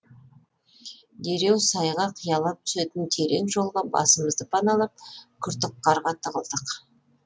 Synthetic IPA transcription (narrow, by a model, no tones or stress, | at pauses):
d̪e̞ɾe̞wsɑjʁɑqʰijɑlˠɑp̚t̪ʰʏ̥set̪ɪnt̪ʰe̞ɾe̞ŋʒo̞lˠʁɑbɑ̰səməzd̪əpʰɑnɑlˠɑp̚kʲʰʏɾt̪ɪq̚ːɑɾʁɑt̪ʰəʁəlˠd̪əq